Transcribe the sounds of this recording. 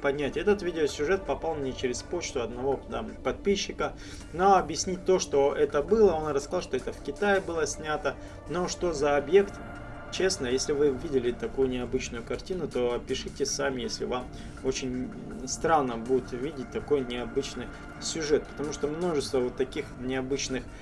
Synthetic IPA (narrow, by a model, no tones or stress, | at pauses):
pɐnʲætʲɛt̪ət̪vʲidʲɪosʲʊʐɛt̪̚pɐpalˠmnʲet͡ɕɪɾʲɪspo̞t͡ɕt̪ʊɐd̪nɐvo̞d̪apɐt̪̚pʲiɕːɪkə | noɐbjɪsʲnʲit̚ʲt̪o̞ʂt̪o̞ɛt̪əbɨlˠəo̞nrəskɐzɑlˠʂt̪oɛt̪əfkʲɪt̪ajɪbɨlˠəsʲnʲat̪ə | no̞ʂt̪o̞zɐɐbje̞kt̪ | t͡ɕe̞snəjesʲlʲɪvɨvʲidʲɪlʲɪt̪ɐkujʊnʲɪɐbɨt͡ɕnʊjʊkɐrtʲinʊt̪opʲɪʂɨtʲɪsamʲɪjesʲlʲɪ̰vam | ot͡ɕɪnʲ | st̪ɾanːəbudʲɪt̪vʲidʲɪt̚ʲt̪ɐko̞jnʲɪɐbɨt͡ɕnɨj | sʲʊʐɛt̪̚pə̥t̪ɐmuʂt̪omno̞ʐɨst̪vəvot̪ːɐkʲixnʲɪɐbɨt͡ɕnɨx